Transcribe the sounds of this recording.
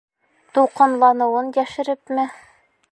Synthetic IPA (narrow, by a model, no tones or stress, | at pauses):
t̪uqɤ̆nlˠɑnɤ̆wɤnjæʃɘ̆ɾɘpmɘ